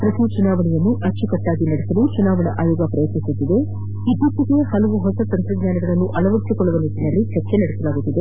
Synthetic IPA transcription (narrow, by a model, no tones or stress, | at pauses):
pɾɐtut͡ʃunaːʋɐɳɛjɐnːuʔɐɾt͡ʃukɐʈːaːɡinɐɽesɐlut͡ʃunaːʋɐɳɐʔaːjɔːɡɐpɾɐjɐt̪nisut̪ːid̪e̞ | id̪ut̪ːiɡehɐlɐʋuɦɔsɐt̪ɐnt̪ɾɐɡɲaːnɐɡɐɭɐnːuʔɐɭɐʋɐɾisikɔɭːɐʋɐniːʈ̪inɐlːit͡ʃɐɾt͡ʃenɐɽesɐlaːɡut̪ːid̪e̞